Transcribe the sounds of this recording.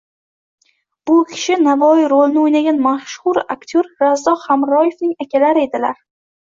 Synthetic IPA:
b̥ʊkʲʰɪ̥ʃɪnavɒiɾolnɪojnaɡʲanmaʃhʊɾa̰kt̪ʰoɾɾazd̪ɒχamɾɒje̞fnɪŋakʲalaɾɪe̞d̪ɪlaɾ

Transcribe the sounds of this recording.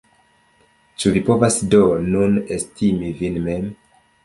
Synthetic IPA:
t͡ʃuvipo̞vasdonunestimivinmem

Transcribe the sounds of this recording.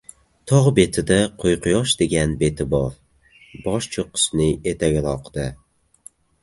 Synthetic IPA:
t̪ʰɒʁbet̪ʰɪd̪aqʰojqʰɨjɒʃd̪eɡʲanbe̞t̪ʰɪbɒf | bɒʃt͡ʃʰoqʰɨ̥snɪet̪ʰaɡʲlˠɒqd̪̥ɪ

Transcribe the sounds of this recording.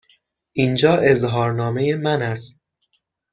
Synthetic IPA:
ʔind͡ʒɒːʔe̞zɦɒːɾnɒːmejemænæst̪̚

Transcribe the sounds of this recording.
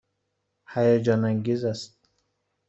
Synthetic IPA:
hajad͡ʒɒnaŋɡizast̪̚

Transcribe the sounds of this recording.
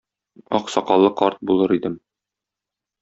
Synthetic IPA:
ɒqsɒqɑlˠːɤqɒɾt̪̚bulˠɤɾid̪ɘm

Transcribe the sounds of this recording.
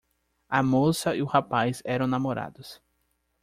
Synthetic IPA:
ɐmosɐiʊhapajzɛɾɐ̃w̃namoɾa̰d̪ʊs

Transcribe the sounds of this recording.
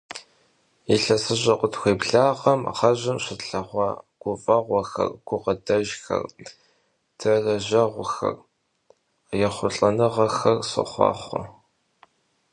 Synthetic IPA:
iɬɐsɨʑʼɐqʷʊtʰxʷeːpɬaːʁɐmʁɐʑɪmɕɪɬɐʁʷɑːɡ̥ʷʊfʼɐʁʷɔxɐ̰rɡ̥ʷʊqɐdɐʒxɐ̰r | tʰɨrɐʑɐʁʷʊxɐ̰r | jɛχʷʊɬʼɐnɨʁɐxɐrsɨ̰χʷɑ̰ːχʷɔ̰

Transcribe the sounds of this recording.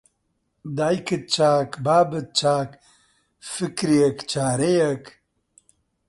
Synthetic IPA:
d̪aːjkɨt̪̚t͡ʃaːkbaːbɨt̪̚t͡ʃaːk | fɨkɾijekt͡ʃaːɾejɐk

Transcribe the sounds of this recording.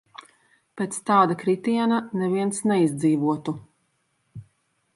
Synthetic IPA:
peːt̪st̪aːd̪akɾit̪iɛnanɛviɛnsnɛizd̪ziːvuɔt̪u

